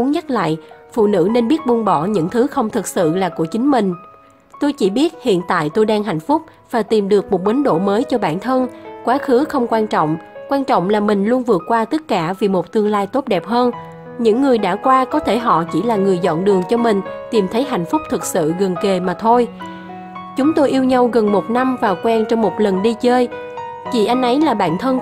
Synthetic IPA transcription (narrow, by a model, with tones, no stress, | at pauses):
ɲə˦˥t̚la̰ː˧˨jfṵ˧˨nɨ̰˧˥ne˧nɓi˦˥ət̚ɓu˧nɓɔ˧˩ɲɨ̰˧˥ŋt̪ʰɨ˨˦xə˧wŋ͡mt̪ʰɨ˨˩k̚sɨ̰˧˨laː˨˩ku˧˩ət͡ɕï˨˦ŋ̟mï˨˩ŋ̟ | t̪o˧jt͡ɕi˧˩ɓi˦˥ət̚hḭ˧˨ənt̪a̰ː˧˨jt̪o˧jɗaː˧ŋɦa̰˧˨jŋ̟fʊ˦˥k͡p̚ | v̥aː˨˩t̪i˨˩mɗɨ˨˩ək̚mo˨˩t̚ɓə˨˦ŋɗo̰˧˨məː˨˦jt͡ɕɔ˧ɓaː˧˩nt̪ʰə˧nkwaː˨˦xɨ˨˦xə˧wŋ͡mkwaː˧nt͡ɕɔ̰˧˨wŋ͡mkwaː˧nt͡ɕɔ̰˧˨wŋ͡mlaː˨˩mï˨˩ŋ̟lu˧ənvɨ˨˩ət̚kwaː˧t̪ə˦˥t̚kaː˧˩vi˨˩mo˨˩t̚t̪ɨ˧əŋlaː˧jt̪o˦˥t̚ɗɛ˨˩p̚həː˧n | ɲɨ̰˧˥ŋːɨ˨˩əjɗa̰ː˧˥kwaː˧kɔ˨˦t̪ʰe˧˩ɦɔ̰˧˨t͡ɕḭ˧˩laː˨˩ŋɨ˨˩əjzɔ̰˧˨nɗɨ˨˩əŋt͡ɕɔ˧mï˨˩ŋ̟t̪i˨˩mt̪ʰə˨˦jɦa̰˨˩jŋ̟fʊ˦˥k͡p̚t̪ʰɨ˨˩k̚sɨ̰˧˨ɣə˨˩nke˨˩maː˨˩t̪ʰo˧j | t͡ɕʊ˨˦ŋ͡mt̪o˧jʔi˧əwɲa˧wɣə˨˩nmo˨˩t̚na˧mvaː˨˩wkwɛ˧nt͡ɕɔ˧wŋ͡mmo˨˩t̚lə˨˩nɗi˧t͡ɕəː˧j | t͡ɕḭ˧˩ʔa˧jŋ̟ʔə˨˦jlaː˨˩ɓa̰ː˧˥nt̪ʰə˧n